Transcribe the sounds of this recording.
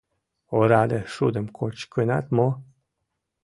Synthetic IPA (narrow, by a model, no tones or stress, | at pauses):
oɾad̪əʂud̪əmkʰot͡ʃkɨna̰t̪mo